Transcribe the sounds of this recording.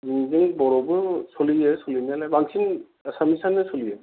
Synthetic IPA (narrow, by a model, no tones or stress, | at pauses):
ziŋziŋbɔɾɔbɯsolijesolinalabaŋsʰin | samisanɯsolije